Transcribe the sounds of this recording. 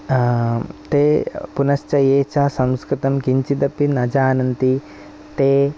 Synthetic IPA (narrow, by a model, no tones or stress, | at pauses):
t̪eːpunɐst͡ʃɐjeːt͡ʃaːsɐ̃mskɾit̪ɐmkiɲt͡ʃid̪ɐpinɐd͡ʒaːnɐnt̪i | t̪eː